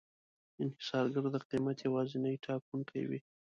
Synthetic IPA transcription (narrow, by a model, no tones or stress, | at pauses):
ɪnhɪsɑɾɡaɾod̪əqimat̪jawɑzɪnajʈʰɑkuŋkʰa̰jwḭ